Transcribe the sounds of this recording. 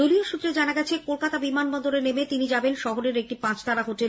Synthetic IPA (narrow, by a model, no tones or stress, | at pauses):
olioʃut̪ːɾed͡ʑanaɡɛt͡ɕʰekolkat̪abimanbɔnd̪oɾenemet̪inid͡ʑabenʃɔɦoɾeɾek̚ʈipãt͡ɕʰt̪ʰaɾaɦoʈe